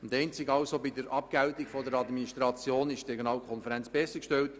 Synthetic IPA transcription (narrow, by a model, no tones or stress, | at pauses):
nt̪ɛɪntsɪɡɑlsobidəɾʔɑp̚ɡ̥ɛltiɡfɔdəɾɑd̪miniʃtɾɑt͡sjoːnɪʃtrɛɡjonɑːlkʰɔnfəɾɛnt͡sb̥ɛsəkʃtɛlt